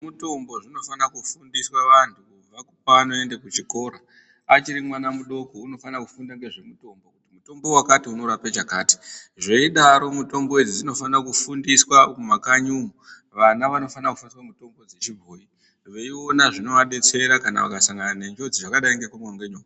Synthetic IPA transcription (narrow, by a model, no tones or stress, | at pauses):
muto̞mbo̞ʐino̞fanakufundiswaʋantʰukub͡vakupanoe̞nde̞kut͡ʃiko̞ːɾa | at͡ʃiɾimwanamuɗo̞kouno̞fanakufundaŋɡe̞ʐe̞muto̞mbokutimuto̞mbo̞wakatiunoɾapet͡ʃakaːti̥ | ʐe̞iɗaɾo̞muto̞mbo̞id͡zid͡zino̞fanakufundiswakumakaɲumu | ʋanaʋano̞fanaku̥fundiswamuto̞mbo̞d͡zet͡ʃibʱoːi | ʋe̞io̞naʐino̞ʋaɗe̞t͡se̞ɾakana̰ʋa̰kasaŋɡananend͡ʒo̞d͡ziʐakaɗaiŋɡekumoŋɡeɲoː